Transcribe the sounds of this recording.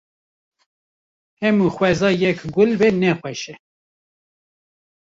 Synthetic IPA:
hɛmuːxwɛzɑːjɛkɡʊlbɛnɛxʷwɛʃɛ

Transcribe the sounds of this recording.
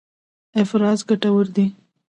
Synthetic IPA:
ɪfɾɑzɡaʈawəɾd̪i

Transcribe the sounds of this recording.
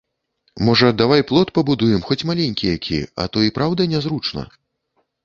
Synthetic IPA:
mɔʐɐd̪avajplˠɔt̪pɐbud̪ujɛmxɔt͡sʲmalʲenʲkʲijakʲḭɐ̰t̪ɔipɾawd̪ɐnʲɛzɾut͡ʂnɐ̰

